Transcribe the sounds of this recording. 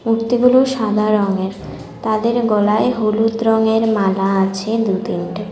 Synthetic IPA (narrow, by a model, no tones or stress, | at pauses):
mukt̪iɡuluʃad̪ʱaɾɔŋeɾ | t̪ad̪eɾɡɔlaeɦulud̪ɾɔŋeɾmalaat͡ɕʰed̪ud̪inʈe